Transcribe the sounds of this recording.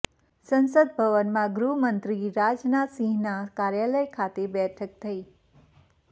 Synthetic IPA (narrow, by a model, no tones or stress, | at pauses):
sənsəd̪̚bʱəʋənmãɡɾumənt̪ɾiɾad͡ʒnasĩɦnakaɾjaləjkʰat̪ebɛʈʰək̚t̪ʰəi